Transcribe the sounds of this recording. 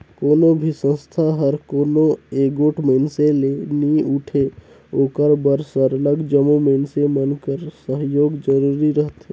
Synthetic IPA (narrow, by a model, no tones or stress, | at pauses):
koːnobʱisə̃nst̪ʰaɦəɾkoːnoeːɡoːʈʰmənseleniuʈʰe | oːkəɾbəɾsɔɾələɡd͡ʒəmuməɪnsemənkəɾsəɦjoːɡd͡ʒəɾuːɾiɾəɦt̪ɦe